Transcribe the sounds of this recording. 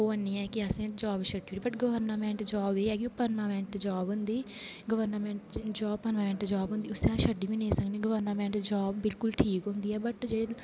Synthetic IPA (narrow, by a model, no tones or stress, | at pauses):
oːənĩːɛːkɪəsẽːd͡ʒɔːbʃəɖiːiːiːbəʈɡəʋəɾnamɛ̃ːɳʈd͡ʒɔːbeːɛːkioːpənʋaːmɛ̃ːɳʈd͡ʒaːbɦʊ̃nd̪iː | ɡəʋəɾnaːmɛ̃ːɳʈd͡ʒɔːbpənʋaːmɛːɳʈd͡ʒaːbɦʊ̃nd̪iːʊsẽaːʃəɖiːʋĩːnẽːsəkneːɡəʋəɾnaːmɛ̃ːɳʈd͡ʒɔːbːɪlkʊlʈʰiːkɦʊ̃ːnd̪iːɛːbəʈd͡ʒeː